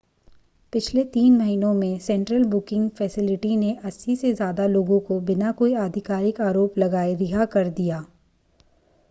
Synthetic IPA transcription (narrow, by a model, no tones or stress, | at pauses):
pɪt͡ʃʰlet̪iːnmɐɦinõmẽsɛ̃ɳʈɾəlbʊkɪ̃ŋɡfɛːsɪlɪʈineʔɐsːisezjaːd̪aloːɡõkobɪnakoːiaːd̪ʱɪkaːɾɪkaːɾoːplɐɡaːeɾɪɦakɐɾd̪ijaː